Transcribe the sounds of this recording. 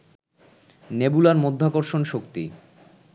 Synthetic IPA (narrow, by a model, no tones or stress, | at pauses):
nebulaɾmod̪ʱːakoɾʃonʃokt̪ḭ